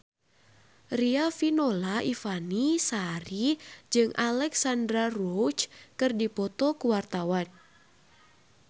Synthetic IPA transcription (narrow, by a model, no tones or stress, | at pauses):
riafinolaʔifanisaɾid͡ʒɨŋʔalɛksandɾarot͡ʃkɨrdipɔt̪ɔkuwart̪awan